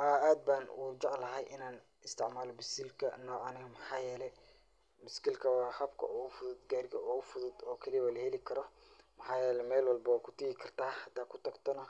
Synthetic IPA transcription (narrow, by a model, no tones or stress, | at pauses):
ʔaaːd̪̚baːnṵːd͡ʒɑʕlɐɦɛjʔɪnaːn | ɪst̪ʰɪʕmaːlɔbɪsiːlkʰɐ̰nɔːʕɐnɪɣɐmɑħɑːjɛːlɛj | mɪskilkʰɐwɑːhɐbkʰɐ̰ʔuːɣʊfʊðʊd̪ɡaːɾɡɐʔuːɣʊfʊðʊd̪ɔːkʰɐlijwalɐhɛlɪkʰɐɾɔ | mɐħɑːjɛːlɛjmɛːlwɑlbɐwːkʰʊ̥t̪ʰɐɡɪkʰɐrt̪ʰaːhɐd̪aːkʰʊ̥t̪ʰɐɡt̪ʰɔnɐ